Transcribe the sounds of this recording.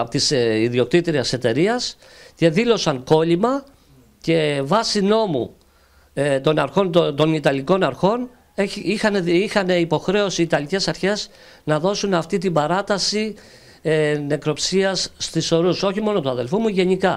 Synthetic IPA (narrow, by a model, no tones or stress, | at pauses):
pot̪isiðio̞k̚t̪it̪ɾiɐse̞t̪e̞ɾiɐs | ce̞ðilo̞sɐŋko̞limɐ | ce̞vɐsino̞mṵ | t̪o̞nɐɾxo̞nt̪o̞nit̪ɐliko̞nɐɾxo̞n | eixɐneixɐne̞ipo̞xɾe̞o̞siːt̪ɐlice̞sɐɾçe̞z | nɐðo̞sunɐft̪it̪̬imbɐɾɐt̪ɐsi | ne̞kɾo̞psiɐsːt̪iso̞ɾuso̞çimo̞no̞t̪uɐðe̞lfumuʝe̞nikɐ